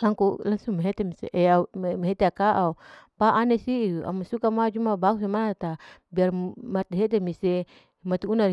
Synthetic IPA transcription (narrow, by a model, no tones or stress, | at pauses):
laŋkulaŋsuŋmeɦet̪emisḛʔɛaumeɦet̪eakaʔaupaʔanɛsia̰masukamad͡ʒumabakusimat̪abiarmat̪eɦet̪̬emise | mat̪uuna